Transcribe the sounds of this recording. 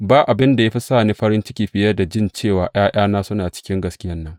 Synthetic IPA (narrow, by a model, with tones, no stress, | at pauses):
baː˦ʔa˨bɪ˦nda˨ja˦ɸi˦saː˦˨niː˦ɸɐ˦ɾɪ˦nt͡ʃɪ˦kʲiː˨ɸɪ˨jɐ˦da˨d͡ʒɪ˦˨nt͡ʃeː˦˨waː˨ʔaː˦jʔaː˦naː˦sʊ˦naː˨t͡ʃɪ̥˦kʲɪ˦ŋɡɐ˨skʲɪ˦jɐ˦nːɐ˦ŋ